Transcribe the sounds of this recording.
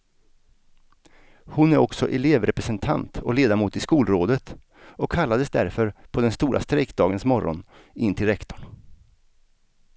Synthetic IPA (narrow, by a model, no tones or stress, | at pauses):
hʊnæɾɔksɔ̰ʔɛleːvɾɛpɾɛsɛnt̪ʰa̰nt̪ɔleːd̪amuːt̪ɪskuːlɾoːd̪ət̪ | ɔkʰːalːad̪əsd̪æ̰ɾfœɾpʰɔd̪ɛnst̪uːɾʔa̰st̪ɾɛkd̪ɑːɡənsmɔɾɔ̰n | ɪnt̪ʰɪlɾɛkt̪ɔɳ